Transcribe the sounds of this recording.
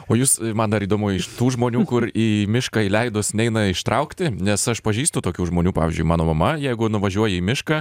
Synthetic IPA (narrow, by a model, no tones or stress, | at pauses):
oːjuːsmɐnd̪ɐɾiːd̪oːmuːɪʃt̪uːʒmoːnʲuːkʊriːmʲɪʃkɑilʲɛɪd̪ʊsnʲɛɪnɐɪʃt̪ɾɐʊkt̪ʲɪnʲɛsɐʃpɐʒʲiːst̪ʊt̪oːkʲuːʒmoːnʲuːpɑːʋʲɪzʲd͡ʒʲʊɪmɑːnoːmɐmɐjɛɪɡʊnʊʋɐʒʲuɔjɛiːmʲɪʃkɑ